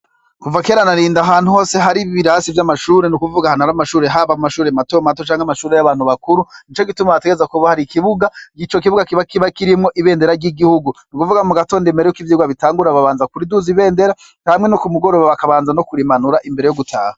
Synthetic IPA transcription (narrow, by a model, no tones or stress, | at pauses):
kuvakeɾanaɾiːndaɦaːn̥huho̞ːse̞ɦaɾiβiβiɾasivjamaʃuːɾe̞nukuvuɡahanaɾamaʃuːɾe̞ɦaβamumaʃuːɾematomat̬ot͡ʃaːŋhamaʃuːɾe̞jaβaːn̥huβakuɾunit͡ʃo̞ɡitumaβateɡeezakuβahaɾikiβuɡaɡit͡ʃo̞k̬iβuɡakiβakiβakiɾimŋo̞ʔiβe̞ːnde̞ɾaɾɟiɡihuɡunikuvuɡamuɡato̞ːndimbeɾejokivjiuɡaβitaːŋɡuɾaβaβaːnzakuɾiduziβe̞ːnde̞ɾa | hamŋe̞nokumuɡo̞ɾo̞βaβakaβaːnzano̞kuɾimanuɾaʔimbe̞ɾejo̞ɡutʰaːha